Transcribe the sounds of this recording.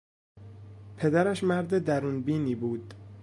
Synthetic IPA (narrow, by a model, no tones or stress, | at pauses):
pʰe̞d̪æɾæʃmæɾd̪ed̪æɾuːnbiːniːbuːd̪̥